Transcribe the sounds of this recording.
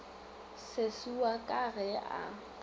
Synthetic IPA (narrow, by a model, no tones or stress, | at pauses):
sesuakʼaɣɛa̰